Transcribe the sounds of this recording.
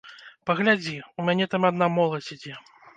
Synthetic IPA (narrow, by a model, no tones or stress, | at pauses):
pɐɣlʲad͡zʲiumʲanʲɛt̪amɐd̪namɔlˠɐsʲid͡zʲɛ